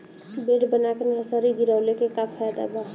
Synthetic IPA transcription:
beɽbənakenəsəɾiɡiɾawlekekapʰːajd̪a̰ba

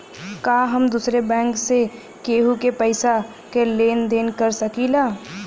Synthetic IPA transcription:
kaːɦɐmd̪uːsɾebɛ̃ːŋkse | keːɦukepəɪsa | keleːnd̪eːnkɐɾsɐkilaː

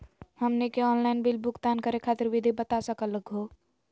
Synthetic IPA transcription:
həmnekeɔːnlaːɪnbilbʊkt̪aːnkəɾekʰaːt̪ɪɾʋid̪ʱibət̪asəkələɡʱɦoː

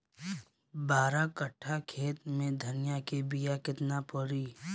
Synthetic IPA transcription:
baːɾakɐʈʰːakʰeːt̪mẽd̪ʱɐnɪjakebijakɪt̪napɔɾiː

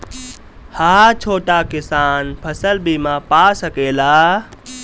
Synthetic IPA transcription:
haːt͡ʃʰoːʈakɪsaːnpʰəsəlbʱiːmãpasəkeːlaː

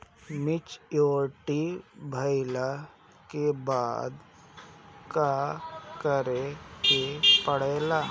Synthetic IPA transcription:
mɪt͡ʃjoːʈibʱəɪla | kebaːd̪ | kakəɾekepəɽeːlaː

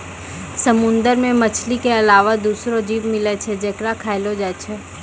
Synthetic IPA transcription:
səmʊ̃nd̪əɾmẽmɐt͡ʃʰlikeɐlaːʋad̪uːsɾod͡ʒiːʋmɪlet͡ʃʰɛd͡ʒɐkɾakʰaːɪlod͡ʒaːt͡ʃʰɛ

